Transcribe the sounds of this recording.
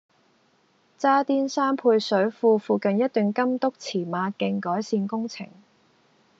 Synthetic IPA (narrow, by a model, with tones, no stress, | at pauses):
t͡saː˥t̪iː˥nsaː˥mpʰuː˧jsɵ˨˥ɥfuː˧fuː˨kɐ˨njɐ˥t̪̚y˨˩ŋkɐ˥mt̪ʊ˥k̚t͡sʰiː˨˩maː˨˧kɪ˧ŋkɔː˨˥jsiː˧nkʊ˥ŋt͡sʰɪ̰˨˩ŋ